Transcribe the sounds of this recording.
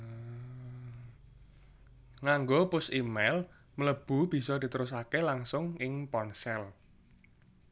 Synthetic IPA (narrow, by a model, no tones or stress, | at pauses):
ŋaŋɡopʊsimɛl | mələb̥ṳb̥i̤sɔd̪̥i̤t̪əɾʊs̬akelaŋsʊŋɪŋpɔnsɛl